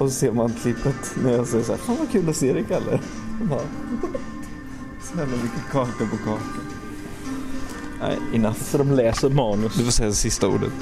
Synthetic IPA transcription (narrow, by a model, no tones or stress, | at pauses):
ɔsɔseːɾmant̪ʰlɪpːat̪næɾjɑːsɛjəʂ̬aæːɾfanvakʰʉːlɔseːd̪ɛkʰalːə̰ɾ | nɑɡɔt̪ | snɛlːamʏkːəkʰɑːkapɔkʰɑːkan | næ̰ɪɪnat̪ːəsɔd̪ɔmlɛːsəɾmɑːnɵsd̪ɵfɔɾsɛjasɪst̪aṵːɖə̰t̪